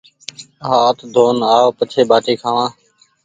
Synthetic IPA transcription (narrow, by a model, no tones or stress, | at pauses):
ɦaːt̪ʰd̪ʱoːnaːpət͡ʃʰeːbaːʈiːkʰaːʋãː